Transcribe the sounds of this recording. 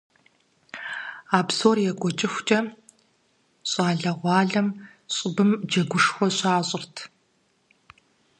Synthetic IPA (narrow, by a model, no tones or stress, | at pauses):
aːbsoːrjɛɡʷɔt͡ʃʼɪxʷt͡ʃʼɐ | ɕʼaːɮɐʁʷɑːɮɐm | ɕʼɪbɨmd͡ʒɐɡʷʊʂxʷɔɕʼaːɕʼɪrtʰ